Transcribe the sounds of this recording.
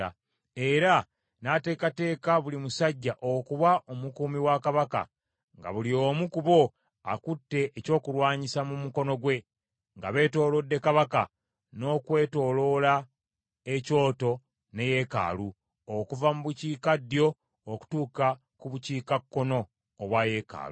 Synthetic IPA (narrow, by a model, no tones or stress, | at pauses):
a | e̞ɾa | nate̞ːkate̞ːkaβulimusaɟːaʔokuβaʔomukuːmiwakaβaka̰ | ŋɡa̰βulioːmukuβo̞ | akutːe̞ʔːco̞ːkuɾwaːɲisamumuko̞no̞ɡwe̞ | ŋɡa̰βe̞ːto̞ːlo̞dːe̞kaβaka | no̞ːkwe̞ːto̞ːlo̞la | eco̞ːto̞ | ne̞je̞ka̰ːlu | okuvamuβuciːkadjo̞ː | ku̥tuːka | kuβuciːkakːo̞no̞ː | βwaje̞ka̰ːlṵ